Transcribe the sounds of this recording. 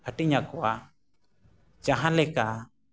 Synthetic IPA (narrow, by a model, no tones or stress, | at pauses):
əʈiɲakowa | t͡ʃaɦãlɛka